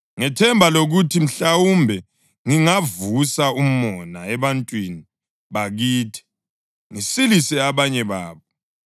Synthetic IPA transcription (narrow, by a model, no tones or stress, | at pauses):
ŋɛtʰɛmbʱaloɣutʰim̩ɬawumbʱɛ | ŋiŋavusaum̩mɔna̰ɛβantʼwini | βaɣiːtʰi̥ | ŋisilisɛaβaɲɛβa̰ːβɔ